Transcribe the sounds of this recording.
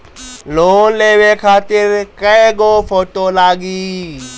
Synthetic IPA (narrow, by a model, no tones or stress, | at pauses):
loːnleːʋeːkʰaːt̪ɪɾkəẽɡoːpʰoːʈoːlaːɡiː